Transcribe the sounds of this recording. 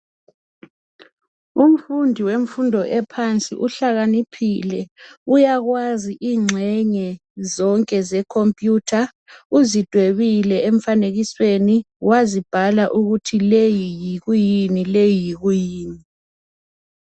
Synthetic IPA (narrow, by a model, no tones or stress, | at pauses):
um̩fundʱiweɱ̩fundʱɔʔɛpʰant͡sʼḭʔuɬaɣanipʰilɛujaɣwaziʔiːŋ͡ǀʱɛɲɛzɔŋkʼɛzɛkʰompʼjutʰa | uzid̥ʱweβilɛeɱ̩faneɣisweni | wazib̥ʱalaʔuɣutʰilejijiɣujinilejiɣujiːni